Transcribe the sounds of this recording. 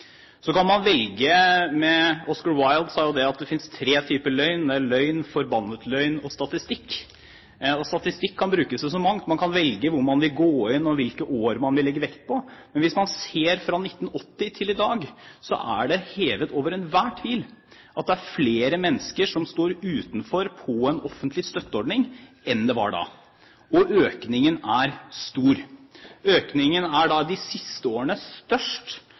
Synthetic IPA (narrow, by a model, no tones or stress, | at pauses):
sɔkɑnmɑnʋɛlɡəmɛɔskɑɹwɑɪld̪sɑːjʊd̪ɛɑt̪̚d̪ɛfɪnst̪ʰɾeːt̪ʰyːpəlœʏnd̪ɛlœʏnfɔɾbɑnːət̪lœʏnɔst̪ɑt̪ɪst̪ɪkː | ɔst̪ɑt̪ɪst̪ɪkʰːɑnbɾʉːkəsɛs̬ɔmɑŋt̪mɑnkʰɑnʋɛlɡəʋʊɾmɑnʋɪlɡoːɪnːɔʋɪlkəʔoːɾmɑnʋɪlːɛɡːəʋɛkt̪̚pʰɔmɛnʋɪsmɑnseːɾfɾɑnɪt̪ːn̩ɔt̪ːɪt̪ʰɪlɪd̪ɑːɡsɔ̰ʔæ̰ɖɛheːʋət̪oːʋəɾɛnʋæːʈʰʋiːl | ʔɑt̪̚d̪ɛæɾfleːɾəmɛnːəskəʂɔmst̪oːɾʉːt̪n̩fɔɾpʰɔɛnɔfːənt̪lɪst̪œt̪ːəɔɖɳɪŋ | ɛnd̪ɛʋɑ̰ɖɑ̰ː | ɔʔøːknɪŋənæɾst̪uːɾ | øːknɪŋənæɖɑd̪ɪsɪst̪əoːɾəɳəst̪œʂʈ